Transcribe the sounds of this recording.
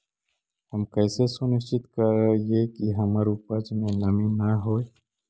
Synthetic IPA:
həmkəːsesunɪst͡ʃɪt̪kəɾjekiɦɐməɾupəd͡ʒmẽlɐminaɦoːe

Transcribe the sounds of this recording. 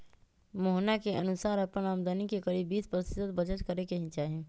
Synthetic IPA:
moɦnakeʔənusaɾəpənamd̪anikekəɾibispɾst̪id̪ət̪̚bəd͡ʒət̪kəɾekeɦĩt͡ʃaɦi

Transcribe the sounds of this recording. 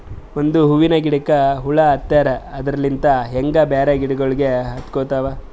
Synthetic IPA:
ond̪uɦuʋinɐɡiɽɐkːɐɦuɭɐːt̪ːɐɾɐɐd̪ɾɐlːint̪ɐɦeŋɡɐbɛːɾɐɡiɽɐɡoɭiɡeɦɐt̪koːt̪ɐʋɐ

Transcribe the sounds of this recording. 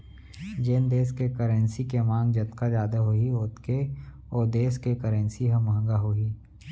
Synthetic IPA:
d͡ʒeːnd̪eːskekəɾə̃nsikemãːŋɡd͡ʒɐt̪kad͡ʒaːd̪aɦoioːt̪ke | oːd̪eːskekəɾə̃nsiɦɐ̃mɐɦə̃ŋɡaɦoiː

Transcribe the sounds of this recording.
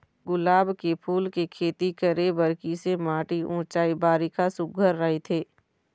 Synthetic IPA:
ɡʊlaːbkepʰuːlkekʰeːt̪ikəɾebɐɾkisemaːʈiʔʊ̃ːt͡ʃaːibaːɾikasʊɡʱəɾːəɦet̪ʰeː

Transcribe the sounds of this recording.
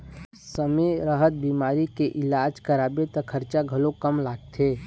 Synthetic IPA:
səmeɾəɦət̪̚bimaːɾikeʔɪlaːd͡ʒkəɾaːbet̪ɔkʰəɾt͡ʃaɡʱəlokəmlaːɡ̚t̪ʰe

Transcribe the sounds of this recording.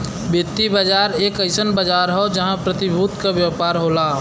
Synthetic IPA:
bɪt̪ːibəd͡ʒaːɾeːkəɪsənbəd͡ʒaːɾɦod͡ʒɐɦãpɾət̪ibʱut̪kabjəpaːɾɦoːlaː

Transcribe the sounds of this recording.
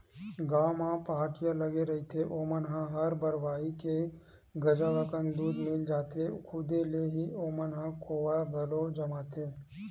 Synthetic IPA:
ɡaːmãːpaaːʈɪjãləɡeɾɐɦit̪ʰeʔoːmənɦãɦɐɾbəɾʋaːike | ɡɐd͡ʒaʋəkənd̪uːd̪mɪld͡ʒaːt̪ʰekʰʊd̪eleɦiʔoːmənɦãkʰoːʋaɡɐlod͡ʒɐmaːt̪ʰeː

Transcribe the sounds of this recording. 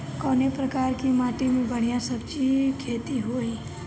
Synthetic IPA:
kɔːnepɾəkaːɾkimãːʈimẽbəɽ̤ijãsəbt͡ʃikʰeːt̪iɦoːi

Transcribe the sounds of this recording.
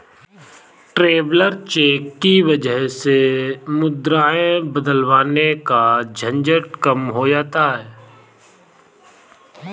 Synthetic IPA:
ʈɾeːbləɾt͡ʃeːkːiʋɐd͡ʒəɦsemʊd̪ɾaːẽbəd̪əlʋaːnekad͡ʒʱə̃nd͡ʒəʈ̚kəmɦoːd͡ʒaːt̪aɦɛː

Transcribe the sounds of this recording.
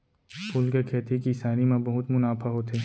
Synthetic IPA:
pʰʊlkekʰeːt̪ʰikisaːnimãbɐɦʊt̪mʊnaːfaɦoːt̪eː

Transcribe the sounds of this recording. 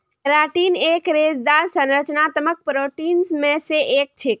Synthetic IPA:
ɾaʈinekɾed͡ʒd̪aɾsə̃nɾət͡ʃnat̪əmək̚pɾoʈinsmẽseʔek̚t͡ʃʰek̚

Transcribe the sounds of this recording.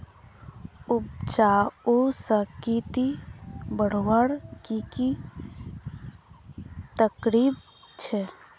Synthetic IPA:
ub̚t͡ʃaosəkit̪ibəɽ̤wəɽkiki | t̪əkɾib | t͡ʃʰɛ

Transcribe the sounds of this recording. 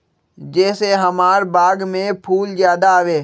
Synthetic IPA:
d͡ʒɛːseɦɐmaːɾbaːɡmẽpʰuːlzjaːd̪aːʋeː

